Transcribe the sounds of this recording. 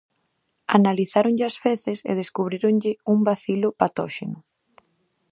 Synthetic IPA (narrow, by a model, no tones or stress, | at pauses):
analiθaɾoŋʎɪasfeθɪsḛð̞eskuβ̞ɾiɾoŋʎɪumbaθilʊpat̪ɔʃenʊ